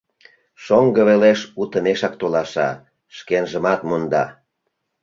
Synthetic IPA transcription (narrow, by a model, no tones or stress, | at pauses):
ʃoŋɡəβeleʃut̪əneʃɑk̚t̪olɑʃɑ̰ | ʃkenʒəmɑt̪mond̪ɑ